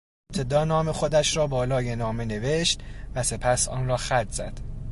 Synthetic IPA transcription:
eeb̚t̪ʰe̞d̪ɒːnɒːme̞xo̞d̪æʃrɒːbɒːlɒːje̞nɒːme̞ne̞veʃt̪væse̞pʰæsɒ̰ːnrɒːxæɾt̪z̥æ̰d̪̥

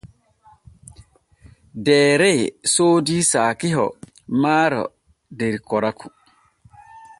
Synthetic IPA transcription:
dɛːɾɛsoːdisaːkiɦɔ̰ | maːɾɔ̰ | dɛɾkɔɾakʰu̥

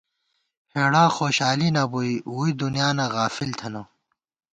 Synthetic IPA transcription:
heːɽaːxoːɕaːlinɐbuiuːid̪unijaːnaɣaːfilt̪ʰɐnɐ

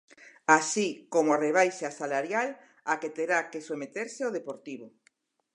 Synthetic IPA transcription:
asikomoareβ̞ajʃasalaɾjal | aket̪eɾakesomet̪eɾseoðepoɾt̪iβ̞o

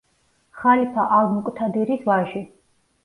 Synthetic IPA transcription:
χalipʰaʔalmkʼt̪ʰad̪ɛɾisvaʒi

